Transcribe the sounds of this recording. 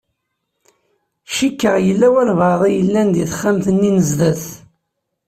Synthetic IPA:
ʃikːəʁjəlːæwælvɑðˤijəlːænd̪iθəχːæmθənːinəzðæθ

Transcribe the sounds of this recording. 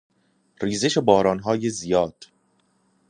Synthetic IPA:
riːze̞ʃebɒːɾɒːnɦɒːjezijɒːd̪̥

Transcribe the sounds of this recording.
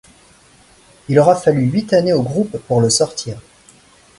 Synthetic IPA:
ilɔʁafalyɥit̪aneoɡʁupːuʁləsɔʁt̪ʰiːʁ

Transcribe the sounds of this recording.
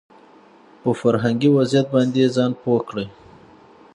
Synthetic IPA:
pəfaɾɦaŋɡiwazjat̪̚bɑnd̪ezɑnpokɽəj

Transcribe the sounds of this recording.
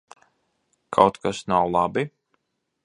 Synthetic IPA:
kʰawt̪kasnawlˠabi

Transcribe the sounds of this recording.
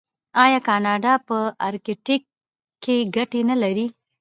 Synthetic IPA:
ɑjɑkɑnɑɖɑpəɑɾkeʈɪkː | eɡaʈenalaɾi

